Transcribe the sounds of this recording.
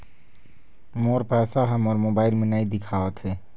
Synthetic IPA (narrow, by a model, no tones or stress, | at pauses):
moːɾpɛːsaɦəmɔːɾmoːbaːɪlmẽnaid̪ɪkʰaːʋət̪ɦɛː